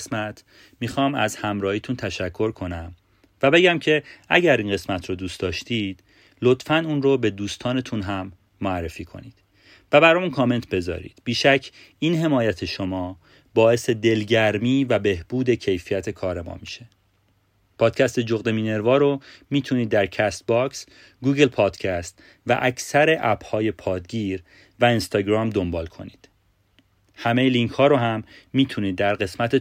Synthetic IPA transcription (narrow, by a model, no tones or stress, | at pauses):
smæt̪ʰ | miːxɒːmæzhæmɾɒːhiːt̪ʰunt̪ʰæʃækʰːo̞ɾkʰo̞næm | væbe̞ɟæmcʰe̞æ̰ɟæɾiːnɢe̞smæt̪ʰɾod̪uːsd̪ɒːʃt̪iːd̪̥ | lo̞t̪fænuːnɾobe̞d̪uːst̪ʰɒːne̞t̪ʰunɦæmː | oærːefiːkʰo̞̰niːd̪̥ | væbæɾɒmuːnkʰɒːme̞nt̪ʰbe̞zɒ̰ːɾḭːd̪̥biːʃæcʰː | iːnɦe̞mɒːjæt̪ʰe̞ʃo̞mɒː | bɒːe̞se̞d̪e̞lɟæɾmiːvæbe̞hb̥uːd̪e̞cʰe̞jfijæt̪ʰe̞kʰɒːɾe̞mɒ̰ːmiʃe̥ | pʰɒːd̪̥̚cʰæst̪e̞d͡ʒoɣd̪e̞miːne̞ɾvɒːɾomiːt̪ʰuniːd̪ːæɾcʰæst̪̚bɒks | ɡuːɡe̞lpʰɒːd̪̥cʰæst̪ | væ̰ʔæcʰsæɾe̞ʔæb̥hɒːje̞pʰɒːd̪ɡiːɾ | væinst̪ɒːɟɾɒːmd̪ombɒːlkʰo̞̰niːd̪̥ | hæmejeliŋcʰhɒːɾoɦæmːiːt̪ʰuniːd̪ːæɾɢe̞smæt̪ʰe